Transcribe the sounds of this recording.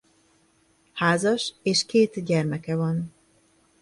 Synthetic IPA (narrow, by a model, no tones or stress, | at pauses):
haːzɒʃeːʃkeːt̪ɟɛrmɛkɛvɒn